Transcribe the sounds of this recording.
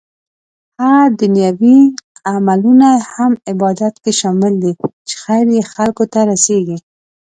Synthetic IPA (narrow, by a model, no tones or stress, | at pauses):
had̪ʊnjɑwiamalunahamɪbɑd̪at̪keʃɑmɪld̪it͡ʃe̥xajɾjexalkot̪aɾaseɡi